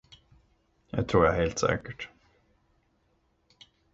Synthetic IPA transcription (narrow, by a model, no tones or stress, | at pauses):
ja̰t̪ʰɾuːɾjaæheːlt̪sɛ̰ːkəʈ